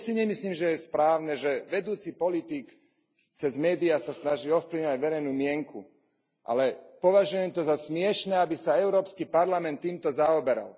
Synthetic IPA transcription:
siɲɛmisliːmʒɛjɛspɾaːʊnɛʒɛʋɛd̪uːt͡sipɔlit̪ik | t͡sɛzmɛːd̪iasasnaʒiːɔfpliʋɲaɟʋɛɾɛjnuːmɪɛŋkṵ | ʔa̰lɛpɔʋaʒujɛmt̪ɔzasmɪɛʃnɛːabisaɛʊɾɔːpskipaɾlamɛnt̪ːiːmt̪ɔzaɔbɛɾa̰l

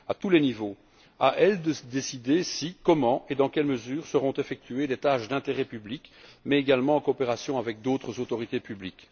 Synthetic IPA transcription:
at̪ulɛnivo | aʔɛld̪əsd̪esid̪esikɔmɑ̃ed̪ɑ̃kʲɛlməzyːʁsəʁɔ̃t̪efɛk̚t̪yed̪et̪aʃd̪ɛ̃t̪eʁɛpyblikmɛeɡalmɑ̃ːkɔːpeʁasjɔ̃avɛk̚d̪ot̪χəzot̪ɔʁit̪epyblik

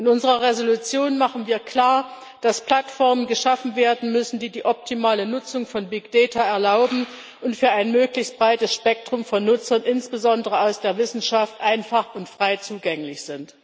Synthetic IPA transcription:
ʔɪnʊnzəʁɐʁezolut͡sjoːnmaχən̩viːɐkʰl̥aːɐ | d̥aspl̥atfɔɐmənɡəʃafn̩veːɐdn̩mʏsn̩diːdiːʔɔp̚tʰimaːlənʊt͡sʊŋfɔnbɪkd̥ɛːtaɛɐlaʊbm̩ | ʔʊntfyːɐaɪnmøːklɪçst̚b̥ʁaɪtəsʃpɛk̚tʁ̥ʊmfɔnːʊt͡sɐnʔɪnsb̥əzɔndəʁəaʊsd̥eːɐvɪsn̩ʃaftʔaɪnfaχʊntfʁ̥aɪt͡suːɡɛŋlɪçz̥ɪnt

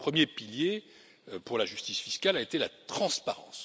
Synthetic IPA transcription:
pχəmjepilje | puʁlaʒyst̪isfiskʲalaet̪elat̪χɑ̃spaʁɑ̰̃s

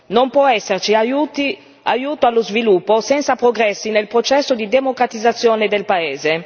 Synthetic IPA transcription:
nompwɔɛsːert͡ʃiajut̪i | ajuːt̪oalːozvilupːosɛnt̪sapɾoɡɾɛsːinelpɾot͡ʃɛsːod̪id̪emokɾat̪id̪zːat̪sːjoːned̪elpaeːze

